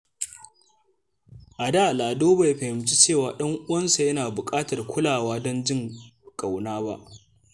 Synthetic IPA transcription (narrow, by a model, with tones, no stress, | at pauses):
ʔa˨daː˦˨laː˨doː˦ba˨jɸɐ˨hɪ˨mt͡ʃi˦t͡ʃeː˦˨waː˨ɗɐ˦ŋʔʊ˦wɐ˦nsa˨jɐ˦naː˨bʊ˨kʼaː˦tɐ˨rkʷʰʊ˦laː˨waː˦dɔ˦nd͡ʒɪ˦ŋkʼa˨wnaː˦ba̰˦ʔ